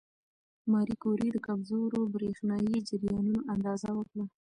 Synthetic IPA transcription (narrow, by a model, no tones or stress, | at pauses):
mɑɾikoɾid̪əkabzoɾobɾexnɑjid͡ʒɪɾjɑnunoʔand̪ɑzawəkɽa